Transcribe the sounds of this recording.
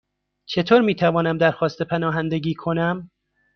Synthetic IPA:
t͡ʃʰe̞t̪ʰoːɾmiːt̪ʰævɒːnæmd̪æɾxɒːst̪e̞pʰænɒːɦænd̪eɡiːkʰo̞næm

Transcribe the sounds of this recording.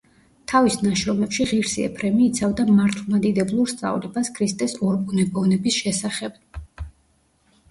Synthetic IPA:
t̪ʰavisnaʃɾɔmɛpʃiʁiɾsiɛ̰pʰɾɛmiːt̪sʰavd̪amaɾt̪ʰlˠmad̪id̪ɛblˠuɾst̪sʼa̰vlɛbaskʰɾist̪ʼɛsɔɾbunɛbɔvnɛbisʃɛsaχɛb̥̚

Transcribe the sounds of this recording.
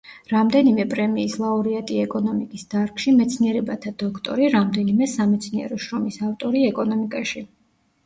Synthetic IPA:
ɾamd̪ɛnimɛpʼɾɛmiːslˠauɾiat̪ʼiɛkʼɔnɔmikʼisd̪̥aɾkʃimɛt̪sʰniɛɾɛbat̪ʰad̪̥ɔkʰt̪ʼɔ̰ɾiɾamd̪ɛnimɛsamɛt̪sʰniɛ̰ɾɔʃɾɔmisaft̪ʼɔɾiɛkʼɔnɔmikʼaʃi

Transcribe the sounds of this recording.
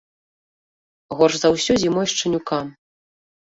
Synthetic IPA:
ɣɔrzawsʲɔzʲimɔjʂt͡ʂɨnʲukam

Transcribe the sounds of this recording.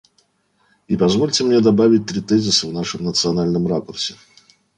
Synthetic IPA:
ipɐzvo̞lʲtʲɪmnʲe̞d̪ɐbavʲɪt̚ʲt̪ɾʲɪt̪ɛzʲɪsɨvnaʂɨmnət̪sɨɐnalʲnəmrakʊrsʲɪ

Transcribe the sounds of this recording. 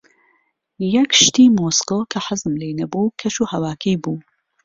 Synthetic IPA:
jɐkʃt̪iːmoːskokʰɐħɪzɨmlejnɐbuːkʰɐʃuːhɐwaːkʰejbuː

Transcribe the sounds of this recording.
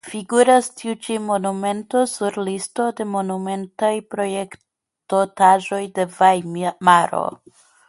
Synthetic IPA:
fiɡuɾastʰiut͡ʃimo̞nume̞nto̞suɾlisto̞de̞mo̞nume̞ntajpɾo̞je̞k | totaʒo̞jde̞vajmaɾo̰

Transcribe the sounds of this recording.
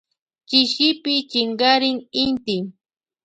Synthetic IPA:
kɪʃɪpɪt͡ʃɪŋɢaɾɪŋɪnt̪ɪ

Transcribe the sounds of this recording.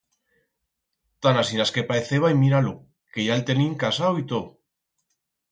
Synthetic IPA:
t̪anasinaskepaeθeβajmiɾalo | keʝalt̪eniŋkasawit̪oð

